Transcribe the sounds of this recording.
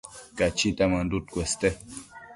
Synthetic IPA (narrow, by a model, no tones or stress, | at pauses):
kat͡ʃit̪amandut̪̚kʷwɛst̪ɛ